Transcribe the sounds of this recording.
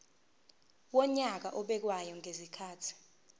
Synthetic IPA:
wɔɲak̬aʔɔɓɛk̬wajɔŋʱezikʰaːtʰi̥

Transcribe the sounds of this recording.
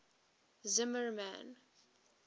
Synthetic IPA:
zɪməɹmæ̰̃n

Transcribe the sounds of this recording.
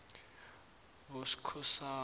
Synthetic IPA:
βosi̥kʰɔsa

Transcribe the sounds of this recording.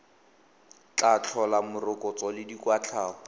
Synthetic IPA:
t͡ɬat͡ɬʰɔlamʊrʊkʼɔt͡sɔlɪdikwat͡ɬʰaːʊ

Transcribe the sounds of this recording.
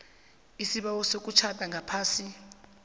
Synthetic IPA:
isiɓawɔsok̬ʼut͡ʃʰatʼaŋɡʱapʰaːsi

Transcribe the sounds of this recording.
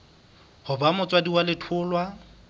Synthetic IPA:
hʊbamʊt͡sʼwadiwalɪtʰʊːlwa

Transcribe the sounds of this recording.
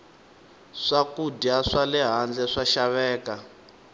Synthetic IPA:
ʂakudiaʂalɛɦand͡ɮɛʂaʃaβɛːka

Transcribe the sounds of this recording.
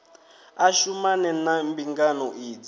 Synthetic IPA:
aʃumanɛnambiŋɡanɔʔiːd͡zi

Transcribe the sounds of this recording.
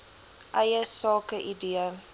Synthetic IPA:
ʔɐjəsɑːkəʔidiə

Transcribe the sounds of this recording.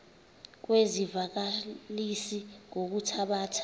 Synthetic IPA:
k̬wezivak̬alisiŋok̬utʰaɓaːtʰḁ

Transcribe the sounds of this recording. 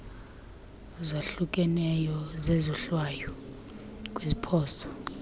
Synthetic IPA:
zaɬukʼɛnɛjɔzezɔɬwaːjɔ | kʼwizipʰɔːsɔ̥

